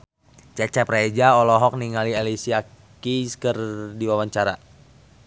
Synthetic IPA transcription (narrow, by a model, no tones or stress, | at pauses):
t͡ʃɛt͡ʃɛpred͡ʒaɔlɔɦɔk̚niŋalielisia | kiskərdiwawaɲt͡ʃaɾa